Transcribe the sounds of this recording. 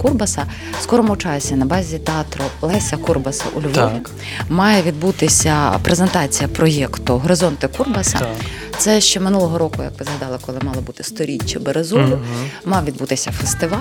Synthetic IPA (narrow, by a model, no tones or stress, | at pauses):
kurbɐsɐ | skɔɾɔmʊt͡ʃɑsʲinɐbɑzʲit̪eɑt̪ɾʊlˠɛsʲɐkurbɐsɐ̰ʔulʲʋɔʋʲi | mɑjɛʋʲid̪̚but̪ɪsʲɐpɾezent̪ɑt͡sʲijɐpɾɔjɛkt̪ʊɦɾɔzɔnt̪ɪkurbɐsɐ̰ | t̪sɛʃt͡ʃɛmɪnulˠɔɦɔɾɔkʊjɐ̰kʋɪzɦɐd̪ɑlˠɪkɔlˠɪmɑlˠɔbut̪ɪ̥st̪ɔɾʲit͡ʃːɐbeɾezɔlʲʊmɑʋʋʲid̪but̪ɪsʲɐfest̪ɪʋɑ